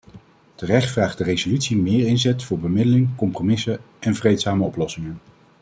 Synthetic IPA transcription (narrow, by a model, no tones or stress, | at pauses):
tərɛχtfraːχdərezolytsimɪːɹɪnzɛtfʊːɹbəmɪdəlɪŋkɔmpromɪsə | ɛnvrejtsaːməɔplɔsɪŋən